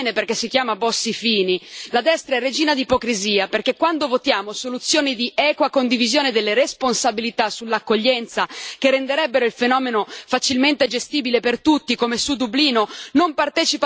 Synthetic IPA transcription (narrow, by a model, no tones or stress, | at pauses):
neperkesːik̟jaːmabɔsːifiːnilad̪ɛst̪ɾaɛrːed͡ʒiːnad̪ipokɾiziːaperkekːwand̪ovot̪jaːmosolut̪sːjoːnid̪iʔɛːkwakond̪ivizjoːned̪elːeɾesponsabilit̪asulːakːoʎːɛnt̪sakerːend̪eɾɛbːeɾoilfenɔːmenofat͡ʃilment̪ed͡ʒest̪iːbilepert̪ut̪ːikomesud̪ubliːnonompart̪ɛːt͡ʃip